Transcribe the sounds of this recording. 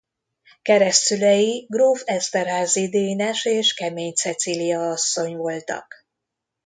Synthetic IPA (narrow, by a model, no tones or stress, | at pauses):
kɛɾɛst̪ylɛjiɡroːfɛst̪ɛrɦaːzid̪eːnɛʃeːʃkɛmeːɲt̪sɛt̪silijɒɒsːo̞ɲvo̞lt̪ɒ̰k